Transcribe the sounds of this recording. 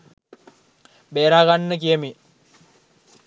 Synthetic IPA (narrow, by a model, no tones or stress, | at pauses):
beːɾaːɡanːək̬ijəmi